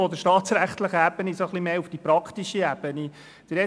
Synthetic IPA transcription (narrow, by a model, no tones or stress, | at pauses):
ɔd̪əɾʃtɑːt̪sɾæχt̪ləχəæb̥ənisoχlimeːufd̥ipɾɑkχt̪iʃiæb̥əni | d̪̥əɾɛ